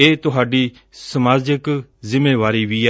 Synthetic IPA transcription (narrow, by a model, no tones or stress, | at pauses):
eːt̪ʊɦaːɖiː | səmaːd͡ʒəkzɪmːeːʋaːɾiːʋiː